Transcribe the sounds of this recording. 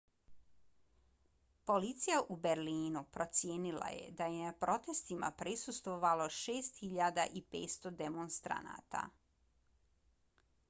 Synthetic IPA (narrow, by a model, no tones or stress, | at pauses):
po̞lit̪sijaʔubeɾliːnupɾo̞t̪sjeːnilˠa̰je̞̰d̪aje̞napɾo̞t̪e̞st̪ima̰pɾisust̪ʋo̞ʋaloʃe̞ːst̪xiʎad̪aʔipeːt̪st̪o̞d̪emonst̪ɾa̰na̰t̪a̰